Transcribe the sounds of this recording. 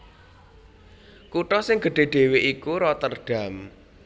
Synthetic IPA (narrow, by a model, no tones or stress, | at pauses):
kuʈɔsɪŋɡ̥ə̤ɖ̥e̤ɖ̥e̤weʔikuɾɔt̪ərɖ̥a̤m